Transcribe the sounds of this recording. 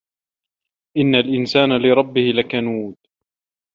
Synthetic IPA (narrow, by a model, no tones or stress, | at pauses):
ʔɪnːalʔɪnsaːnalɪɾˤɑbːɪhɪlakanuːd̪